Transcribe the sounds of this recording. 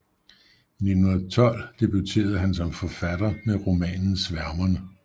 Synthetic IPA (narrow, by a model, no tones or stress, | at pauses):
ne̝d̥nunɐt͡sʰɒ̽l̰d̥e̝b̥ut͡sʰe̝̰ːɐð̞ˠɦænsɒ̽mfɒfæd̥ɐmeʁo̝mɛ̰ːnn̩sʋæɐmɐnə